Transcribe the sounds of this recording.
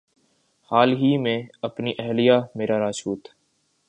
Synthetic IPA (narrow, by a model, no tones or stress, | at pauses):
haːlɦiːmẽːəpniːʔɛɦlijaːmeːɾaːɾaːʃuːt̪